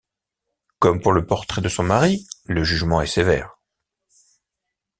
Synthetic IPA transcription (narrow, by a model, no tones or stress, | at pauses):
kɔmpuʁləpɔʁt̪χɛd̪əsɔ̃maʁiləʒyʒmɑ̃ɛsevɛ̰ːʁ